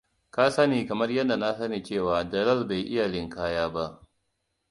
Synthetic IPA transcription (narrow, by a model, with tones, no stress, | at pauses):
ka˦sɐ˦niː˨kɐ˨mɐ˦rjɐ˦dːa˨na˦sɐ˦neː˨t͡ʃeː˦˨waː˨dɐ˨lɐ˦˨lba˨jʔɪ˦ja˨ɽɪ˦ŋkaː˦jaː˦ba˦ʔ